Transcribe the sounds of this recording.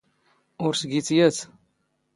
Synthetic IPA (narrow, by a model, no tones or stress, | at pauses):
ʊɾsɡit͡sjæt͡s